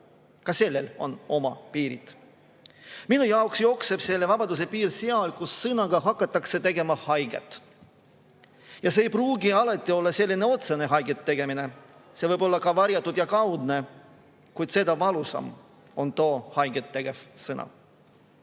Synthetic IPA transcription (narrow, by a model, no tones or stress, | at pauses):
kɑse̞lːe̞lo̞̰no̞mɑpiːɾḭt̪ | minujɑoksjo̞kse̞b̥selːevɑbɑd̪us̬e̞piːɾseɑlkusːɤnɑɡ̥ɑɦɑkˑːɑt̪ːˑɑkse̞t̪e̞ɡe̞mɑhɑjɡ̥ḛt̪ːˑ | jɑseːjpruːɡiɑlɑt̪ˑːio̞lːɑse̞lʲːine̞o̞t̪se̞ne̞ɦɑjɡet̪ːe̞ɡ̥e̞mine̞se̞vɤjb̥o̞lːɑkɑvɑɾjɑt̪ˑːud̪̥jɑkɑwd̪ne̞ | kujd̪̥se̞d̪̥ɑvɑlusɑ̰m | o̞nt̪oːhɑjɡ̥et̪ːe̞ɡ̥e̞vsɤnɑ̰